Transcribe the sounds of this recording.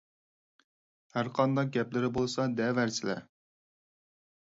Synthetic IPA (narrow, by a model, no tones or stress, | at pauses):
hæɾqʰɑnd̪ɑq̚ɡʲɛplɪɾɪbolˠsɑd̪ɛvæɾsʰɪlæ̰